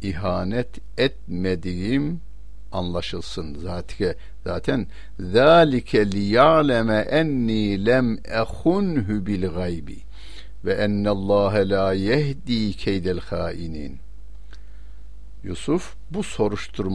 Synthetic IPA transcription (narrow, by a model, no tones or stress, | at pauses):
iɦaːnɛt̪ʰ | ɛt̪̚med̪ijim | anlˠɑʃɯlˠsɯnzaːt̪ʰi̥kʰɛ | zaːt̪ʰæn | ðaːlikʰɛlijaʕlʲɛmɛʔænːiːlæmʔæxunɦubilɣajbḭ | vɛʔænːælˠˤːɑːɦalaːjæhd̪iːkʰɛjd̪ælxaːʔiniːn | jusuf | buso̞ɾuʃt̪ʰuɾm